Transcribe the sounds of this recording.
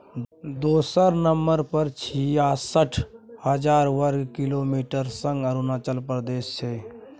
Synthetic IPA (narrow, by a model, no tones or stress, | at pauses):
d̪oːsəɾnəmbəɾpəɾt͡ʃʰijasəʈʰhəd͡ʒaːɾwəɾɡkɪloːmiːʈəɾsə̃ŋɡəɾunaːt͡ʃəlpɾəd̪eːst͡ʃʰeː